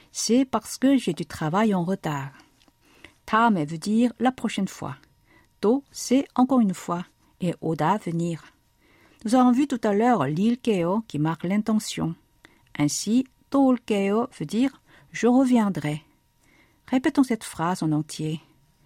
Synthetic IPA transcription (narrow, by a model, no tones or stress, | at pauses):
sɛpaʁsə̥kəʒed̪yt̪χavajɑ̃ʁət̪aːʁ | t̪ʰamɛvød̪iʁlapχɔʃɛnfwa̰ | t̪osɛɑ̃kɔʁynfwa | eʔod̪avəniːʁ | nuzavɔ̃vyt̪ut̪alœʁlilkeokʲimaʁklɛ̃t̪ɑ̃sjɔ̰̃ | ɛ̃si | t̪olkeovød̪iːʁ | ʒəʁəvjɛ̃d̪ʁɛ | ʁepet̪ɔ̃sɛt̪fχazɑ̃nɑ̃t̪ʰje